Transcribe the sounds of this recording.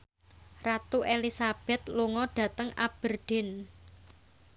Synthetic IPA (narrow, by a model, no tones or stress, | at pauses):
rat̪uʔelisab̥ɛ̤t̪luŋɔɖ̥ä̤t̪əŋa̰b̥ərɖ̥ɪ̤n